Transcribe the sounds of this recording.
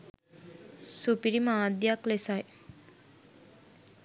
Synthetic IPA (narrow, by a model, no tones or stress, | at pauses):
supiɾimaːd̪jaklesaj